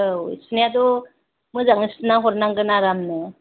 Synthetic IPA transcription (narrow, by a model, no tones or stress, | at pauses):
oḭsnjat̪̬ɔ | məd͡zaŋəsnaɦoɾnaŋkənaɾamne